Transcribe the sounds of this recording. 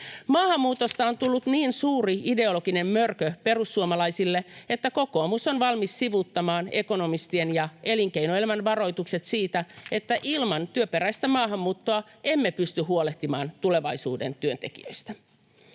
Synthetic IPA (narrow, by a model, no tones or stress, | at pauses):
mɑːhɑmːuːt̪o̞st̪ɑo̞nt̪ulːut̪niːnsuːriide̞o̞lo̞ɡine̞mmørkøpe̞ɾusːuomɑlɑjsilːe̞et̪ːæko̞ko̞ːmusonʋɑlmisːiʋut̪ːɑmɑːne̞ko̞no̞mist̪ie̞njɑe̞liŋkeinoelmænʋɑɾo̞jt̪ukse̞t̪siːt̪æe̞t̪ːæʔilmɑnt̪yøpeɾæjst̪æmɑːɦɑmːuːt̪ːoɑe̞mːepyst̪yɦːuole̞ht̪imɑ̰ːnt̪ule̞ʋɑjsuːde̞̰nt̪yønt̪e̞kḭø̰jst̪æ